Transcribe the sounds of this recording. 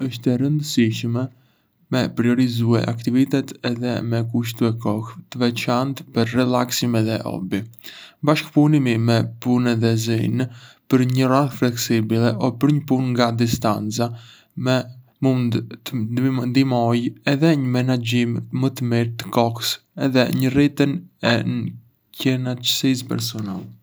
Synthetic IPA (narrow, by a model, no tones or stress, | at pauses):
əʃt̪ɛɾənd̪əsiʃmɛ | mɛpɾiɔɾizuɛ̰ʔa̰kt̪ivit̪ɛt̪ɛðɛ̰mɛkuʃ̬t̪uɛkɔxt̪əvɛt͡ʃant̪pəɾrɛlaksimɛðɛʔɔ̰bibaʃkpunimimɛpunɛðɛzinpəɾɲəraθflɛksibilɛʔɔpəɾɲəpunŋɡad̪ist̪ant͡sa | mɛ | mund̪ | nd̪imɔjɛðɛɲəmɛnad͡ʒimmət̪əmiɾt̪ə̥kɔks | ɛðɛɲərit̪ənɛ̰n | cɛnat͡ʃə̥sis̬pɛ̰ɾsɔna̰lɛ